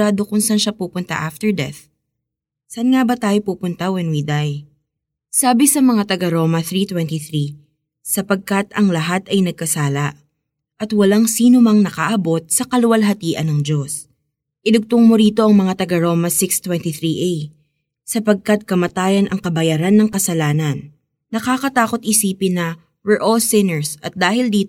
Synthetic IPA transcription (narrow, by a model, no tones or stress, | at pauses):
aːd̪o̞kʊnsanʃapuːpʊnt̪ɐ̰ʔaft̪ɛɹd̪ɛ̰θ | sɐnŋabɐt̪aːjopuːpʊnt̪ɐwɛnwid̪aj | saːbɪsɐmɐŋat̪ɐɡaɾo̞ːmɐθɾit̪wɛnt̪iθɾi | sɐpɐɡ̚kɐt̪ɐŋlɐɦat̪ɐjnɐɡ̚kɐsaːlɐ | ʔɐt̪wɐlaŋsiːnomɐŋnɐkaʔɐbo̞t̪̚sɐkɐlʊwɐlɦɐt̪iːʔɐnɐŋd͡ʒo̞s | ʔɪlʊɡ̚t̪oŋmoɾiːt̪o̞ʔɐŋmɐŋat̪ɐɡɐɾo̞ːmɐsɪkst̪wɛnt̪iθɾiʔej | sɐpɐɡ̚kɐt̪̚kɐmɐt̪aːjɐnʔɐŋkɐbɐjaɾanːɐŋkɐsɐlaːnɐnː | ɐkaːkɐt̪aːko̞t̪ʔɪsiːpɪnːɐ | wɛɹʔolsɪnɛɹsɐt̪̚d̪aːhɪld̪iːt̪